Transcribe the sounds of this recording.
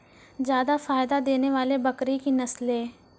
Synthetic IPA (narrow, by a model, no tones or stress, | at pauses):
zjaːd̪afaːɪd̪ad̪eːneʋaːlebɐkɾikinɐslẽː